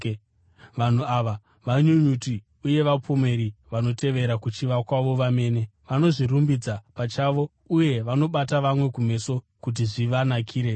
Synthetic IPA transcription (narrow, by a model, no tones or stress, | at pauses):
ʋan̤uaʋa | ʋaɲuɲuti | uje̞ʋapʰome̞ɾiʋano̞tʰe̞ʋe̞ɾakut͡ʃiʋakwaʋo̞ʋame̞ːne̞ʋano̞ʐirumbid͡zapat͡ʃaːʋo̞ | uje̞ʋano̞ɓataʋamwe̞kume̞so̞ | kut̬iʐiʋanakʰiːɾe̞